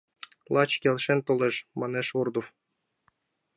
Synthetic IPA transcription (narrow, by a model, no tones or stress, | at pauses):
lˠʔɑt͡ɕkʲelʲʃent̪oleʃmɑneʃurd̪of